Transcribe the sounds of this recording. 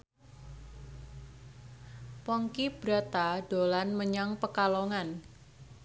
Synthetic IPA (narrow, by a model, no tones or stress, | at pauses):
pɔŋkib̥ɾa̤t̪ad̥olanməɲaŋpəkaloŋan